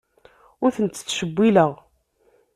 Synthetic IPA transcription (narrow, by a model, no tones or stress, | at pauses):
ʊɾθənt̪ːθʃəbːiləʁ